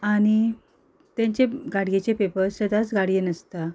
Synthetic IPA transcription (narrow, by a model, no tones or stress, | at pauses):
aɽ̃i | t̪ãɲt͡ɕeɡaɽɡet͡ɕepepəɾsəd̪ʱat͡sɡaɽjenəst̪a